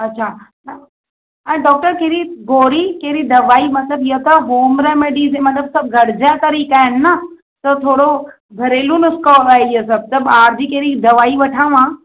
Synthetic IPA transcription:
ɐtːɕʰan | ɛ̃ːɖɔːk̚ʈəɾkeɾiɡoːɾikeːɾid̪ɐʋaːimɐt̪ləbijot̪ɐɦoːmɾɛmeɖiːzemɐt̪ləbsɐb̚ɡʱɐɽd͡ʑat̪ɐɾiːkaːɦɪnɪ̆ːɐ | t̪ɐt̪ʰoːɽo | bʱɐɾeːlunʊskɔːaːeiosɐb̚t̪ɐbaːɾd͡ʑikeːɾid̪ɐʋaːiʋɐʈʰãːʋãː

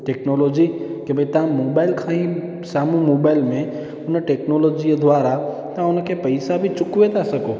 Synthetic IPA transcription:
ʈeknolod͡ʒikebʱəit̪ãmobaɪlkʰãĩ | samũmobaɪlmẽ | ʊnəʈeknolod͡ʒid̪ʋaɾa | t̪ãʊnəkʰepəɪsabʱit͡ʃʊkʋet̪ʰasəko

